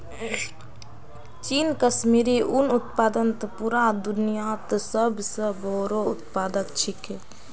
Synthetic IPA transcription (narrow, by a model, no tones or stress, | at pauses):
t͡ʃiːnkəsmiːɾiʔʊnʊt̪̚paːd̪ənt̪puɾad̪ʊnijaːt̪səbsəboːɾoʊt̪paːd̪əkt͡ʃʰɪke